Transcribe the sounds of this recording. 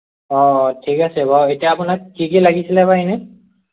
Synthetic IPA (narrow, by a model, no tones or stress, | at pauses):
ɔtʰikasɛbaetijaːpʊnak̚kikilaɡisilɛpaɦinɛ